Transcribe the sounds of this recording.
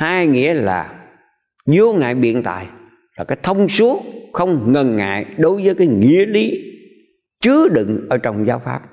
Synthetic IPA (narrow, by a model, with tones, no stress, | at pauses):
haː˧jŋḭ˧˥əlaː˨˩ | zo˧ŋa̰ː˧˨jɓḭ˧˨ənt̪a̰ː˧˨j | laː˨˩kaː˨˦jt̪ʰə˧wŋ͡msu˨˦ət̚xə˧wŋ͡mŋə˨˩nŋa̰ː˧˨jɗo˨˦jvəː˨˦jkaː˨˦jŋḭ˧˨əli˨˦ | t͡ɕɨ˨˦əɗɨ̰˧˨ŋʔəː˧˩t͡ɕɔ˧wŋ͡mzaː˨˦wfa̰ː˦˥p̚